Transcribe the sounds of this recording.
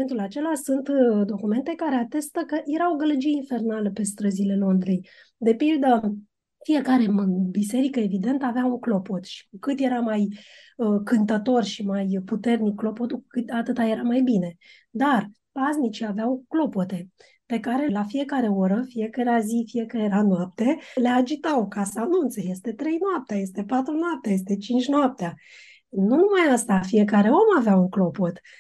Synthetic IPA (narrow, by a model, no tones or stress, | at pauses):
ent̪ulat͡ʃe̞lasunt̪d̪o̞kume̞nt̪e̞kaɾe̞at̪e̞st̪əkəje̞ɾawɡələd͡ʒieinfe̞rnaləpe̞st̪ɾəzile̞lo̞nd̪ɾej | d̪e̞pild̪ə | fije̞kaɾe̞mbise̞ɾikəe̞vid̪e̞nt̪aveauklo̞pot̪ʃi̥kukɨt̪je̞ɾamaj | əkɨnt̪ət̪o̞rʃimajput̪e̞rnikːlo̞po̞t̪ukukɨt̪at̪ɨt̪aje̞ɾamajbine̞ | d̪ar | paznit͡ʃiaveawklo̞po̞t̪e̞ | pe̞kaɾe̞lafije̞kaɾe̞o̞ɾəfie̞kaɾeazifie̞kaejeɾanoap̚t̪e̞le̞ad͡ʒit̪awkasəanunt̪seje̞st̪e̞t̪ɾe̞jnoap̚t̪eaje̞st̪e̞pat̪ɾunoap̚t̪eajes̬t̪e̞t͡ʃint͡ʃʲnoap̚t̪ea | nunumajast̪afije̞kaɾe̞o̞maveauŋklo̞po̞t̪